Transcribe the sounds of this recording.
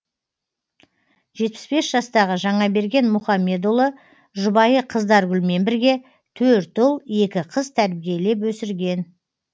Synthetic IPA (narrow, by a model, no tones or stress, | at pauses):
ʒe̞t̪̚pɪ̥sbe̞sʒ̥ɑst̪ɑʁəʒɑɴɑbe̞ɾɡʲe̞nmʊχɑmːe̞d̪ulˠə | ʒʊbɑjəqʰəzd̪ɑɾɡʲʏlme̞nbɪɾɡʲe̞ | t̪ʰɵɾt̪ʊlˠe̞kʲɪqʰəzt̪ʰæɾbije̞le̞pwɵsɪɾɡʲe̞n